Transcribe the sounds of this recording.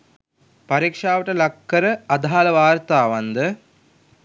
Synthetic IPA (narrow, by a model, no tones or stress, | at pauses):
pɐɾiːkʂaːʋəʈəlɐkːəɾəɐd̪ʱaaləʋaːrt̪aːʋand̪ə